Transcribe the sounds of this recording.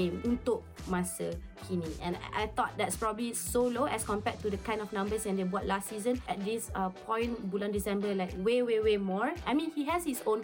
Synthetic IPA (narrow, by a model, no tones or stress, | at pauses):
ẽmũnt̪ʊk̚mastəkʰiniʔɛ̰̃na̰jt̪ɔt̚dɛtspɹɔbəblisoloʔɛskɔ̃mpɛtːudəkãɪ̃ndɔfnãmbəsɛ̃ndebɔt̚lastːsizə̃nʔɛt̚disapʰɔ̃ɪ̃nbulãndisɛ̃mbəlaɪk̚wewewemɔɹajmĩnhiɦɛshisõn